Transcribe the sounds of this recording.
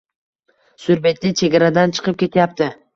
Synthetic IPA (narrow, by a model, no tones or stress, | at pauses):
sʊɾbe̞t̪lɪt͡ʃʰe̞ɡʲaɾad̪ant͡ʃʰɨ̥qʰɨp̚kʲe̞t̪ʰɪjap̚t̪ɪ